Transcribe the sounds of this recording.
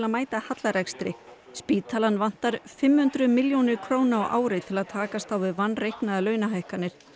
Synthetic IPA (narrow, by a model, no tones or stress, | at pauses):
laðmaːjt̪ahat̪laɾɛkst̪ɾɪ̰ | spiːt̪ʰaːlanːvan̥t̪aɾ̥fɪmhʏnt̪ɾʏmɪljonɪɾ̥kʰɾoːwnaawʔa̰ːwɾɪt̪ʰɪlaðt̪ʰaːkast̪awvɪðvanːrejhknaðalœːɥnaɦajhkanːɪɾ̥